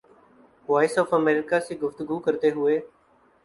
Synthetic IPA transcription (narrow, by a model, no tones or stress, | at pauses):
ʋaːɪsɔːfəmeːɾɪkaːseːɡʊft̪ʊɡuːkəɾt̪eːɦʊeː